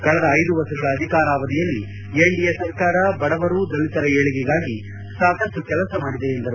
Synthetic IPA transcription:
kɐɭɐd̪ɐːjd̪uʋɐsɐɡɐɽɐːd̪ʱikaːɾaːʋɐd̪ijɐlːi | eɳɖijesɐɾkaːɾɐbɐɽɐʋɐɾuːd̪ɐlit̪ɐɾɐeːɭiɡɛɡaːɡi | saːkɐsʈːukɛlɐsɐmaːɽid̪eːnd̪ɐɾu

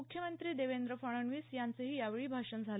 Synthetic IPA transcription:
ukʰjəmənt̪ɾiːd̪eʋend̪ɾəfəɽ̃əɳʋiːsjant͡səɦiːjaʋeɭiːbʱaʂənd͡zʱal

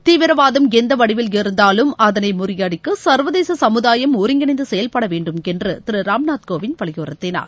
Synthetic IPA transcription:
t̪iːʋɪɾɐʋaːðɐmɛnd̪ɐʋɐɽɪʋɪlɪɾɯnd̪aːlɯmɐðɐnɐɪmʊrɪjaːɽɪkːɯsɐɾʋɐðeːsɐsɐmɯðaːjɐmɔɾɪŋɡɐɳɪnd̪ɯsɛjɐlpɐɽɐʋeːɳɖɯmɛndrɯt̪ɪɾɯɾaːmnaːt̪koːʋɪnpɐɭɪjoːɾɐt̪ːɪna̰ːɾ

